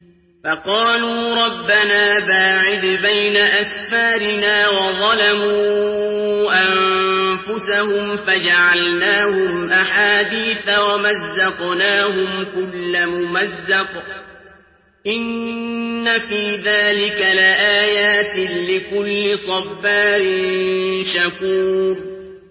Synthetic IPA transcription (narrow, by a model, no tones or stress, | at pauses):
fɑqɑːluːɾˤɑbːanaːbaːʕɪd̪bajnaʔasfaːɾɪnaːwɑðˤɑlamuː | ʔamfʊsahʊmfad͡ʒaʕalnaːhʊmʔaħaːd̪iːθawamazːɑqnaːhʊmkʊlːamʊmazːɑq | ʔɪnː | afiːðaːlɪkalɪʔaːjaːt̪ɪlɪkʊlːɪsˤɑfːaːɾɪnnʃakuːɾ